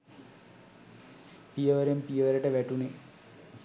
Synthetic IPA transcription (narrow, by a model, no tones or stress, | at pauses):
pijɐʋɐɾempijɐʋɐɾɐʈːɐʋeʈːune